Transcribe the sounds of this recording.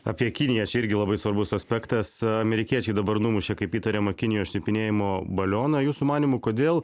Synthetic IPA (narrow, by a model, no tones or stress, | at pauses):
ɐ̰pʲiɛkʲɪnʲɪjɛt͡ʃʲɛɪɾʲɡʲɪlˠɐbɐɪsʋɐɾbʊsɐsʲpʲɛkt̪ɐsɐmʲɛɾʲɪkʲiɛt͡ʃʲɛɪd̪ɐbɐɾnumʊʃʲeːkɐɪpiːt̪ɐɾʲemɐkʲɪnʲɪjoːsʃʲnʲɪpʲɪnʲeːjɪmoːbɐlʲoːnɐjuːsʊmɑːnʲiːmʊkoːd̪ʲeːlˠ